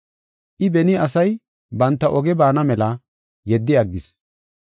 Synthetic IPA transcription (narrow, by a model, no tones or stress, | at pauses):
ʔɪbɛnɪɐsɐj | bɐnt̪ːɐʔɔɡɛbaːnɐmɛlɐ | jɛd̪ːɪɐɡːɪs